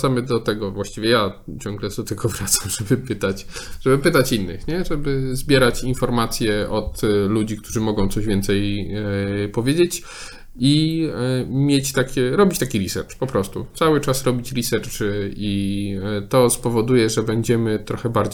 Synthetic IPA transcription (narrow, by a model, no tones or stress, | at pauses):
samɘd̪ɔt̪ɛɡɔvwaɕt͡ɕivʲjɛjat͡ɕɔ̃ŋɡlɛzd̪ɔt̪ɛɡɔvɾat̪sḁmʐ̥ɛbɘpɘt̪at͡ɕʐ̥ɛbɘpɘt̪at͡ɕinːɘ̰xɲɛʐɛbɘzbʲjɛɾat͡ɕinfɔɾmat̪sʲjɛʔɔt̪lud͡ʑikt̪uʐɘmɔɡɔ̃w̃t̪sɔʑvʲjɛnt̪sɛj | pɔvʲjed͡ʑet͡ɕ | i | mʲjet͡ɕt̪akʲɛɾɔbʲit͡ɕt̪akʲiɾʲisɛ̰ɾt͡ʂpɔpɾɔst̪ṵt̪sawɘt͡ʂasɾɔbʲit͡ɕɾʲisɛɾt͡ʂɘi | t̪ɔspɔvɔd̪ujɛʐɛbɛɲd͡ʑɛmɘt̪ɾɔxɛbaɾd͡ʑ